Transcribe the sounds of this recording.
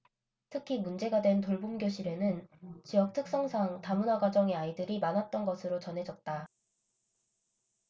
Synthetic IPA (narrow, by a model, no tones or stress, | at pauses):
tʰɯkʰimund͡ʑe̞ɡadwe̞ntoɭbumɡjoɕʰiɾe̞nɯnt͡ɕijʌk̚tʰɯk̚s͈ʌŋsʰaŋtamunwaɡwad͡ʑʌŋe̞aidɯɾimanɦat̚t͈ʌnɡʌsʰɯɾot͡ɕʌnɦe̞d͡ʑʌt̚t͈a